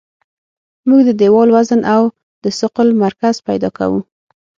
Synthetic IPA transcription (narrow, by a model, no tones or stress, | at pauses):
muɡd̪əd̪ewɑlwazənʔaw | d̪əsʊqʊlmaɾkaz̥pajd̪ɑka̰wu